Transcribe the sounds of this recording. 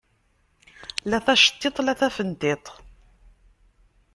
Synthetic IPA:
læθæʃə̥t̪ːet̪ˤlæθæfənt̪et̪ˤ

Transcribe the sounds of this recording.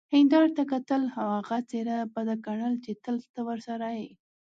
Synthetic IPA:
hɪnd̪ɑɾt̪akat̪əlhawaɣat͡seɾabad̪akaɳəlt͡ʃet̪əlt̪awəɾsaɾaji

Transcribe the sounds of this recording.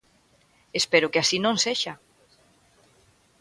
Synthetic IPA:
espeɾʊkeasinõŋseʃa

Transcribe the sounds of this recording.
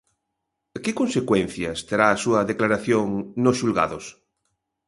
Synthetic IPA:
kɪkonsekwẽn̟θjɐst̪eɾaːsuɐðeklaɾaθjoŋnosʃulɣa̰ðos

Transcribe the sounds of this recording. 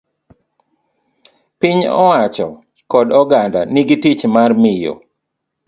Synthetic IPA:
pɪɲɔ̰wat͡ʃɔ̰ | kɔdɔɡanda̰nɪɡitit͡ʃmarmɪjo̰

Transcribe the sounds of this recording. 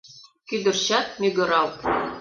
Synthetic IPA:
kyd̪ɘ̆rt͡ɕɑt̪̚mʲyɡɘ̆ɾɑlt̪

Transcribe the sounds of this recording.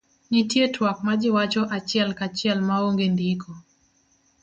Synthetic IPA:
nitjetwak̚mad͡ʒiwat͡ʃɔʔat͡ʃjalkat͡ʃjalmaoŋɡendikʰɔ

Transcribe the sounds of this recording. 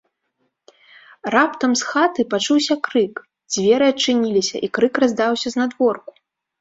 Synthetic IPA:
rapt̪ɐmsxat̪ɨpat͡ʂuwsʲɐkɾɨk | d͡zʲvʲɛɾɨɐt͡ʂɨnʲilʲisʲɐ̰ʔikɾɨkrazd̪awsʲɐznad̪vɔrku̥

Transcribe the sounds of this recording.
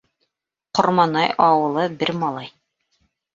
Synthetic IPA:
qŏɾmɑnɑjɑwɤ̆lˠɤbɘɾmɑlˠɑj

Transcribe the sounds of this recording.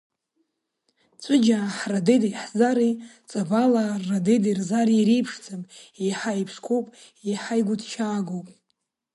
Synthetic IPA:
t͡sʷʼʊd͡ʒaħradejdajħzaɾit͡sʼabalaradejdirzariɾijpʰʂd͡zʰamiħaipʰʂkʷʰowpʼ | iħajɡʷʊdʰt͡ʃʰaːɡowpʼ

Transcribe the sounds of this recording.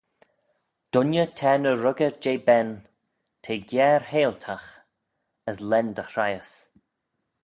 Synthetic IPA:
d̥ʊnjətʰɛːnəɾʊɡəd͡ʒeːbɛn | tʰeːɡjɛːɹheːltʰax | əslɛndəxɾajəs

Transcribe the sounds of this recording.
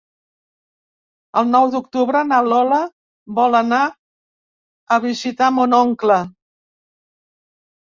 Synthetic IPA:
əlˠnɔwd̪ukt̪uβɾənalɔlə | bɔləna | əβizit̪amunɔŋklə

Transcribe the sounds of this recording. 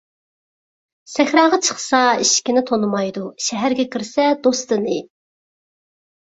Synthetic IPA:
sɛxʲɾɑːʁɑt͡ʃʰə̥χsɑiʃkʲinɪt̪ʰonɨmɑjd̪uʃɛɦæɾɡʲɛkʲʰiɾsɛd̪ost̪ɨnɨ

